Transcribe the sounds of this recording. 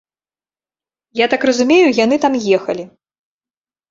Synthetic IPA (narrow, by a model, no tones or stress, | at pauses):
jat̪akrɐzumʲejujan̪ɨt̪amjɛxɐlʲi